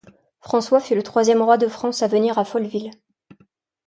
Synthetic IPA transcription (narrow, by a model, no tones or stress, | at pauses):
fχɑ̃swafylət̪χwazjɛmʁwad̪əfχɑ̃savəniʁafɔlvil